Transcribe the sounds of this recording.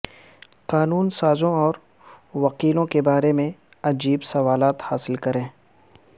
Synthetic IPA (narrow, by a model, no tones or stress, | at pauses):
qaːnuːnsaːzõɔːɾ | ʋɐqiːlõkebaːɾemẽ | ɐd͡ʒiːbsɐʋaːlaːt̪haːsɪlkɐɾẽː